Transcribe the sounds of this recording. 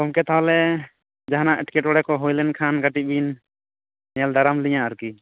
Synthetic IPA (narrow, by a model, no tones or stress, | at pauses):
kɔmkɛt̪ʰaɔlɛ | d͡ʒaɦanaʔɛʈkɛʈɔɽɛkɔɦojlɛnkʰanɡaʈibin | jɛld̪aɾamlijãɔɾki